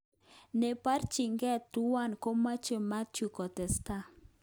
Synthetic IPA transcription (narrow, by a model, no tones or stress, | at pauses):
nepaɾt͡ʃiŋɡet̪uwankomat͡ʃemat͡ʃukot̪est̪a